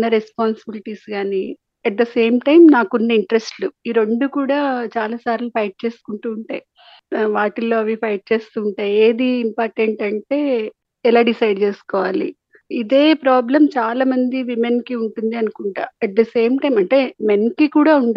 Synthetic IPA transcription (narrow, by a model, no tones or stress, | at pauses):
nːɐɾespaːnsibiliʈiːsɡaːni | ɐʈ̚d̪ɐse̞ːmʈɐjmnaːkunːɐiɳʈɐɾesʈluiɾeɳɖukuːɽaːt͡ʃaːlaːsaːɾlupʰɐjʈ̚t͡ʃe̞ːsu̥kuɳʈuːɳʈa̰ːji | ʋaːʈilo̞ːɐʋipʰɐjʈ̚t͡ʃe̞ːst̪uːɳʈaːje̞ːd̪iːmpaːɾʈeɳʈɐɳʈe̞ː | ɛlaːɖisɐjɖt͡ʃe̞ːsu̥kɔːʋaːlḭ | id̪e̞ːpɾaːblɐmt͡ʃaːlaːmɐnd̪iʋimenkiuɳʈund̪iɐnukuɳʈa̰ːɛʈ̚d̪ɐse̞ːmʈɐjmɐɳʈe̞menkikuːɽaːuɳɖ